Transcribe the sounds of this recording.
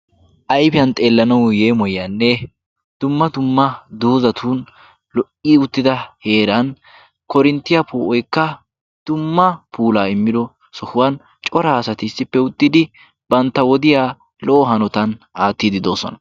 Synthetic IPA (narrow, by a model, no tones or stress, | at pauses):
ʔɐjpɪjɐnt̪ʼe̞ːlːɐnɐwjeːmɔjɐnːɛ | d̪̥ʊmːɐt̪ʊmːɐd̪oːzɐt̪ʰuːn | lɔʔiːʊt̪ːɪd̪ɐhe̞ːɾɐn | kɔɾɪnt̪ːɪjɐpuːʔɔjkːɐ | d̪̥ʊmːɐpʰuːlaːɪmːɪd̪ɔ | sɔhʊwɐn | t͡ʃʼɔɾaːsɐt̪ɪːsːɪpːɛʊt̪ʼːɪd̪ɪ | b̥ɐnt̪ːɐwɔd̪ɪjaː | lɔʔɔɦɐnɔt̪ɐnaːt̪ːiːd̪ɪd̪o̞ːsɔ̰nɐ